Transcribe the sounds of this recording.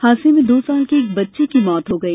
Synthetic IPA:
haːsemẽd̪oːsaːlkieːk̚bɐtːʃekimɔːt̪ɦoɡɐiː

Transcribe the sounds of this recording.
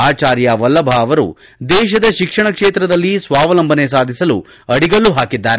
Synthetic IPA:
aːt͡ʃaːɾjɐʋɐlːɐbʱaɐʋɐɾṵ | d̪ɛːʃ̬ɐd̪ɐʃikʂɐɳɐkʂeːt̪ɾɐd̪ɐlːisʋaːʋɐlɐmbʱɐnesaːd̪ʱisɐlu | ɐɽiɡɐlːuɦaːkid̪ːaːɾe

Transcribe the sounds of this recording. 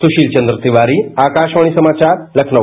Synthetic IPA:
suɕiːlt͡ɕənd̪ɾəsiʋaɾiakaʃʋaɽ̃isəmat͡ɕaɾləkʰnə

